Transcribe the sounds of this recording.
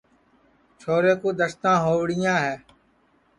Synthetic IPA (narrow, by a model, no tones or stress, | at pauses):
t͡ʃʰoːɾeːkuːɗ̪əst̪ãːɦoːʋɽɪjãːɦeː